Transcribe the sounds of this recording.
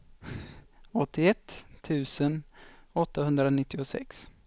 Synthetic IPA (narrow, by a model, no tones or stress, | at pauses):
ɔt̪ʰːɪɛt̪ʰːʉ̟ːsənɔt̪ːahɵnd̪ɾanɪt̪ːɪʊsɛ̰ks